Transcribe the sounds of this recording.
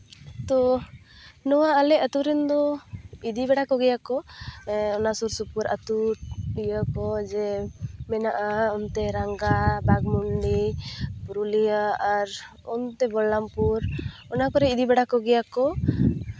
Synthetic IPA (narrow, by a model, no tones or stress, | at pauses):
t̪ɔ | nɔwaːlɛət̪uɾɛnd̪ɔid̪ibɛɽakɔɡɛjakɔ | ɔnasuɾsupuɾa̰t̪uɾɖijəkɔd͡ʒɛmɛnaʔaɔnt̪ɛɾaŋɡabaɡmuɳɖipuɾulijaaɾ | ɔnt̪ɛbɔlːampuɾ | ɔnakɔɾɛid̪ibɛɽakɔɡɛjakɔ